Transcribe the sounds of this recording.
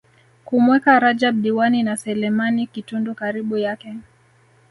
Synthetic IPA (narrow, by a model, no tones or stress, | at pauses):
kumwɛkaɾad͡ʒaɓ̚ɗiwaninasɛlɛmanikitundɔkaɾiɓujakɛ